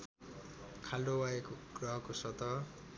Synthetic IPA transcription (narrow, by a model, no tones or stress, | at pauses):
kʰaldowaekoɡ̥rʌɦʌkosʌt̪ʌ